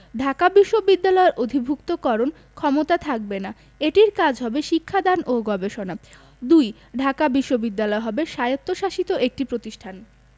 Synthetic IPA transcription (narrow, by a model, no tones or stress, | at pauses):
ɖʱakabiʃːobid̪ːalɔeɾʔod̪ʱibʱukt̪okɔɾon | kʰɔmot̪at̪ʰak̚bena | eʈiɾkad͡ʑʱɦɔbeʃikʰːad̪anʔoɡɔbeʃona | d̪uj | ɖʱakabiʃːobid̪ːalɔeɦɔbeʃajot̪ːoʃaʃit̪oʔek̚ʈipɾot̪iʃʈʰan